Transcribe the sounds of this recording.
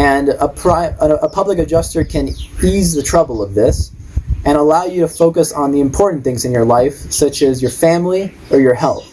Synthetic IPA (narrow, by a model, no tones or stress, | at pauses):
ɨ̃nəpʰɹ̥aɪəəpʰʌbləkɨd͡ʒʌstə˞kʰɨ̃nizðɨtʰɹ̥ʌbl̩ˠʌvðɪsɨ̃ɾ̃əlaʊjɨɾɨfoʊkɨsn̩ðiɨ̃mpʰɔɹʔn̩θɪ̃ŋzɨ̃njə˞laɪfsʌt͡ʃɨzjə˞fæ̃mli | ə˞jə˞hɛlˠθ